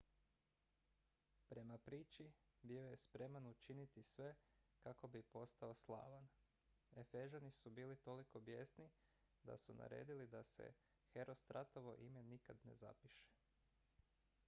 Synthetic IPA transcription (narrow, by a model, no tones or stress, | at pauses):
pɾe̞mapɾiːt͡ʃibio̞je̞spɾe̞manut͡ʃinit̪isʋe̞kako̞bipo̞st̪aoslˠa̰ːʋan | e̞feʒanisubiːlit̪o̞liko̞bje̞sni | d̪a̰sunʔa̰ɾe̞̰ːd̪ilid̪ase̞̰ | xe̞ɾo̞st̪ɾat̪o̞ʋo̞ʔime̞nikad̪ne̞̰za̰piʃe̥